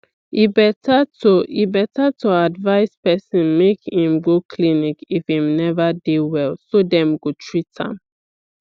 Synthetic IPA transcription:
ibɛtʰatoibɛtatʰoadvaɪspɛsĩnmekhĩmɡokʰlinikifhĩmnɛvadewɛlsodɛ̃mɡotʰɹitʰã̰m

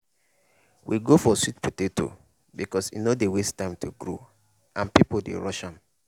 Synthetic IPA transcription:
wʔiɡofɔswitpʰuteto̰ | bikɔsḭnodewestãɪ̃mtʰuɡɹo | ʔãnpipodḛɹɔʃãn

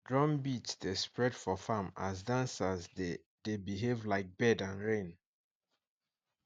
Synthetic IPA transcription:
dɹɔ̃mbitsdespɹɛdfɔfamazdãnsazde | d̥ebiɦevlaɪk̚b̥ɛdãnɹẽn

